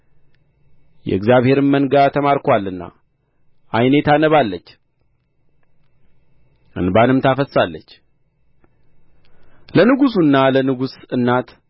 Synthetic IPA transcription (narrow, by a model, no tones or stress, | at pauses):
jɛ̰ɨɡzjaβhe̞ɾɨnmənɡat̪ʰəmaɾkʰwalːɨnːa̰ | ʔajne̞t̪anəβalːət͡ʃː | ʔɨ̰nbanɨmt̪ʰafəsːalːət͡ʃː | lənɨɡusunːalənɨɡusɨnːat̪